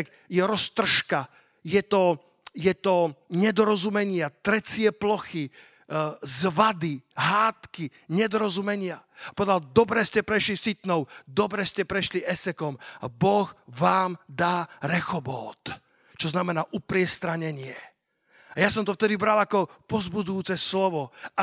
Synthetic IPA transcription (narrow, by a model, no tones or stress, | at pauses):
k | jɛɾɔst̪r̩ʃka | jɛt̪ɔ | jɛt̪ɔɲɛd̪ɔɾɔzumɛɲɪat̪ɾɛt͡sɪɛplɔxi | zʋad̪iɦaːt̪ki | ɲɛd̪ɔɾɔzumɛɲɪapɔʋɛd̪ald̪ɔbɾɛscɛpɾɛʃlisit̪nɔʊd̪ɔbɾɛscɛpɾɛʃliʔɛsɛkɔma̰bɔɣʋaːmd̪aːɾɛxɔbɔːt̪ | t͡ʃɔznamɛnaːʔupɾɪɛst̪ɾaɲɛɲɪɛ | ajasɔmt̪ɔft̪ɛd̪ibɾalakɔpɔzbud͡zujuːt͡sɛslɔʋɔa